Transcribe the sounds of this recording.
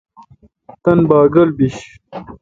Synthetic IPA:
t̪ɐnbaːɡɐlbiɕ

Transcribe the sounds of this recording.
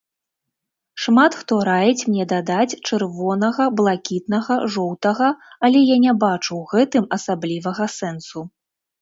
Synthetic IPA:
ʂmat̪xt̪ɔɾajɛt͡sʲmnʲɛd̪ad̪at͡sʲt͡ʂɨrvɔnɐɣɐblˠakʲit̪nɐɣɐʐɔwt̪ɐɣɐalʲɛjanʲɛbat͡ʂuwɣɛt̪ɨmɐsablʲivɐɣɐsɛnsu

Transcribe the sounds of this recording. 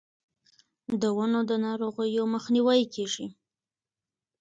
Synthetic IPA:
d̪əwanod̪ənɑɾoɣəjoməxniwajkʰeʒi

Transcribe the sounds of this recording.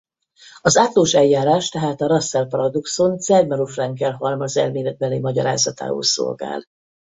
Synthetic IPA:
ɒzaːt̪loːʃɛjjːaːɾaːʃt̪ɛɦaːt̪ɒɾɒsːɛlpɒɾɒd̪oksonsɛrmɛɾufrɛŋkɛlɦɒlmɒzɛ̰lmeːlɛd̪̚bɛleːmɒɟɒ̰ɾa̰ːzɒt̪a̰ːo̰ːso̰lɡa̰ːl

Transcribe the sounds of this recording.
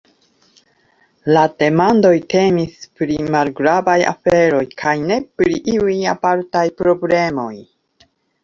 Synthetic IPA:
lad̥e̞mando̞jte̞mispɾimalɡɾabaja̰fe̞ɾo̞jkʰajne̞pɾiʔiujapaɾtajpɾo̞ble̞mo̞j

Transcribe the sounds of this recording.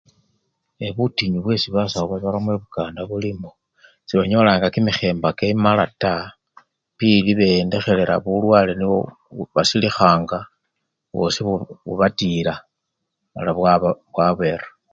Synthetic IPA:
eβutiɲuβwe̞siβasauβaβaɾamweβukaːndaβulimo | siβaɲo̞laːŋɡakimixe̞ːmbakemalata | piliβende̞xe̞le̞ɾa̰βulwaːleniβo̰ | βasilixaːŋɡa | βo̞̰siββṵβatila | βa̰laβwaββwaβe̞rḁ

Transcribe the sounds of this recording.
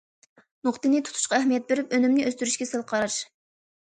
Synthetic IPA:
noχt̪ɨnɪt̪ʰu̥t̪ʰu̥ʃqɑɛhmijɛt̪̚beɾypønymnɪʔøst̪yɾyʃkʲɛsɨlˠqʰɑɾɑʃ

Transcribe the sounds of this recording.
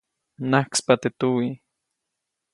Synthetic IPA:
nahkspat̪et̪uwi

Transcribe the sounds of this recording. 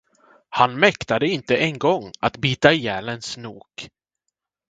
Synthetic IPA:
hanmɛkt̪ad̪əɪnt̪əʔɛŋɡɔŋːat̪biːt̪ajɛːlənsnuːk

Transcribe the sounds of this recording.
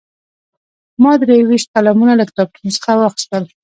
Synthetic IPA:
mɑd̪ɾejwiʃt̪̚qalamunaləkt̪ɑp̚ʈʰinsə̥xawaxt̪ʃwəl

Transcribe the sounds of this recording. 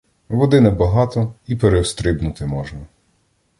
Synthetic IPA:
ʋɔd̪ɪnɛbɐɦɑt̪ɔipeɾewst̪ɾɪbnʊt̪ɪmɔʒnɐ

